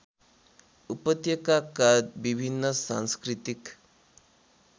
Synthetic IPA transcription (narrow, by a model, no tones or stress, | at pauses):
upət̪jəkakad̪bibʱinːəsã̰nskɾit̪ik